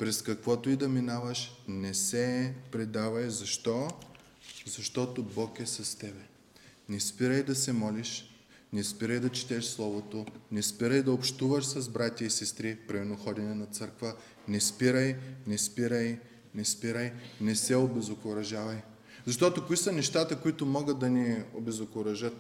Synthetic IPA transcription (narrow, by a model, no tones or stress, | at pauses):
pɾɛskɐkvɔt̪oid̪ɐminavɐʃnɛsɛpɾɛd̪avɐjzɐʃt̪ɔ | zɐʃt̪ɔt̪obɔkɛsɐst̪ɛbɛ | nɛspiɾəjd̪ɐsɛmɔliʃ | nɛspiɾəjd̪ɐt͡ʃi̥t̪ɛʃslˠɔvot̪onɛspiɾəjd̪ɐopʃt̪uvɐʃsɐzbɾat̪ʲɐisɛst̪ɾipɾimɛɾnoxɔd̪ɛnɛnɐt̪sɤɾkvə | nɛspiɾəjnɛspiɾəj | nɛspiɾəjnɛsɛobɛzokoɾɐʒavɐj | zɐʃt̪ɔt̪okoisɐnɛʃt̪at̪əkoit̪ʊmɔɡət̪̚d̪ɐniobɛzokoɾɐʒət̪